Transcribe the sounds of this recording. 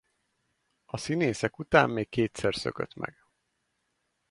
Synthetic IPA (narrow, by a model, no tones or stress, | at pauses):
ɒsineːsɛkut̪a̰ːmːeːkːeːt̪sɛrsø̰kø̰t̪mɛ̰ɡ̥